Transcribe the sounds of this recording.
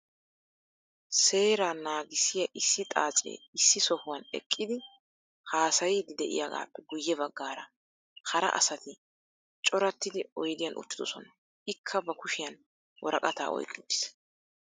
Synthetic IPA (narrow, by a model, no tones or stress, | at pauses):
se̞ːɾaːnaːɡɪsːɪjɐʔɪsːɪt̪ʼa̰ːt͡sʼḛːɪsːɪsɔhʊwɐnɛ̰kʼːɪd̪ɪ | haːsɐjɪd̪ɪd̪ɛʔɪ̰jaɡa̰ːpːɛɡʊjːɛbɐɡːaːɾɐ | hɐɾɐ̰ʔɐ̰sɐt̪ɪ | t͡ʃʼɔɾɐt̪ːɪd̪ɪɔjd̪ɪjɐnʔʊ̰t̪ːɪd̪ɔsɔnɐ | ɪkʰːɐbɐkʊʃɪjɐn | wʔɔɾɐkʼɐt̪a̰ːɔ̰jkʼːɪd̪ːɪ̥s